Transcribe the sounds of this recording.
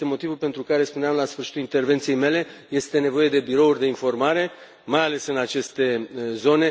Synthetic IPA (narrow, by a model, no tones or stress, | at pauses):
emo̞t̪ivulpe̞nt̪ɾukaɾe̞spuneamlasfɨrʃi̥t̪ulint̪e̞rve̞nt̪sije̞jme̞le̞je̞st̪e̞ne̞vo̞je̞d̪e̞biɾo̞urʲd̪e̞info̞rmaɾe̞ | majale̞sɨnat͡ʃe̞st̪e̞zo̞ne̞